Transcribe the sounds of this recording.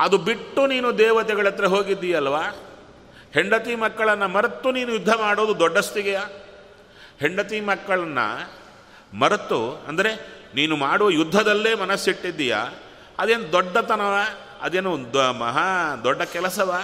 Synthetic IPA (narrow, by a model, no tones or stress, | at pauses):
ɐd̪ubiʈːuniːnud̪ɛːʋɐt̪ɛɡɐɭɐt̪ːɾɐɦoːɡid̪ːijɐlːʋaː | heɳɖɐt̪imɐkːɐɭɐnːɐmɐɾɐt̪ːuniːnujud̪ʱːɐmaːɽoːd̪ud̪ɔɖːɐst̪iɡɛja | heɳɖɐt̪imɐkːɐɭɐnːɐ̰ | mɐɾɐt̪ːuɐ̰nd̪ɐɾe̞niːnumaːɽuʋɐjud̪ʱːɐd̪ɐlːeːmɐnɐsːiʈːid̪ːija̰ː | ɐd̪eːnɐd̪ɐd̪ɔɖːɐt̪ɐnɐʋaː | ɐ̰d̪eːnund̪mɐ̰ɦad̪ɔɖːɐkɛlɐsɐʋaː